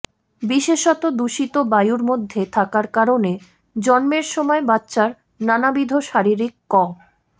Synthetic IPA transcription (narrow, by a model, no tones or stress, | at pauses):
biʃeʃɔt̪od̪uʃit̪obajuɾmod̪ʱːet̪ʰakaɾkaɾone | d͡ʑɔnmeɾʃɔmɔebatːɕaɾ | nanabid̪ʱoʃaɾiɾikːɔ